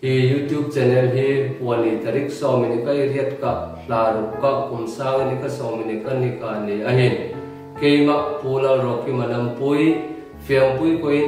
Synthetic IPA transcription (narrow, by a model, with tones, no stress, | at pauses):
hi˨jut̪ju˦p̚t͡ʃɛ˨nɛlɦi˦puɐnːi˨t̪ɐ˨ɾi˦k̚sɔ˧wmi˨nika˦jriət̚ka˨ʔɬaː˨ɾu˨ka˦ʔkːunsaː˦ŋnikasɔ˨wmi˨nikanika˨ni˨ʔaɦin | ke˦jma˨ʔpula˧ɾɔ˨kːi˦mɐ˨nɐmpuj | fʰiɐŋpu˦jko˨ji